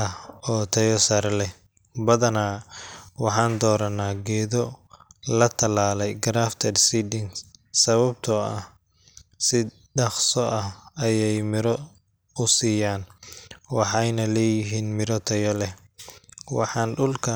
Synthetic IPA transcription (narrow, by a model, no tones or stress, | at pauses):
ɐɔːt̪ʰɐjɔsɐɾlɛ | bɐðɐnaːwɑħɑːnd̪ɔːɾɐnaːɡɛːðɔlɐt̪ʰɐlaːlɛjɡɾaːft̪ʰɐdsiːd̪ɪŋsɐβɐbt̪ʰɔɐh | sɪ | ɖɑχsɔʔɐhɐjɛjmɪɾɔ | ʊsiːjaːnwɑħɑjnɐlɛːjɪɦiːnmɪɾɔt̪ʰɐjɔlɛ | wɑ̰ħɑːnɖʊlkʰɐ